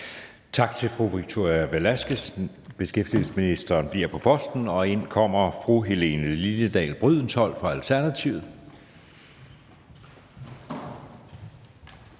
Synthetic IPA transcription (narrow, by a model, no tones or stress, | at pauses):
t͡sʰɑ̈ɡ̥̚t͡sʰe̝lfʁuʋiɡ̥̚t͡sʰo̝ɐjæʋælæsɡ̥əs | b̥e̝sɡ̥efd̥il̩sə̥sminisd̥ɐːnb̥liɐ̰pʰɒ̽pʰɒ̽sd̥n̩ɒ̽e̝n̰kʰɒ̽m̰ɐfʁuɦe̝le̝ːnəlinəd̥ɛ̰ːlb̥ʁyð̰ˠn̩shɒ̽l̰fʁɑ̈ælt͡sʰæɐnæt͡sʰiʊð̩ˠ